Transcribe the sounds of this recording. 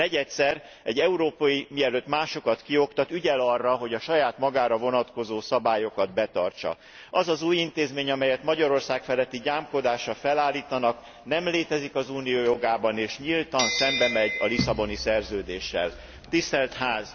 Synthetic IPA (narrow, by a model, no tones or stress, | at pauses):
nɛɟɛt̪sɛr | ɛɟːɛuɾoːpɒjimiɛløːt̪maːʃo̞kɒt̪kio̞kt̪ɒt̪yɟɛlɒrːɒɦo̞ɟɒʃɒjaːt̪mɒɡaːɾɒvo̞nɒt̪ko̞zoːsɒbaːjo̞kɒd̪bɛt̪ɒrt͡ʃɒ̰ | ɒzɒzuːjint̪eːzmeːɲɒmɛjɛt̪mɒɟɒɾo̞rsaːkfɛlɛt̪ːiɟaːmko̞d̪aːʃɒfɛlaːlːiːt̪ɒnɒk | nɛmleːt̪ɛzikɒzuːnijoːjoɡaːbɒneːʃɲilt̪ɒnsɛmbɛmɛɟɒ̰lisɒbo̞nisɛrzøːd̪eːʃːɛ̰l | t̪ist̪ɛlt̪haːz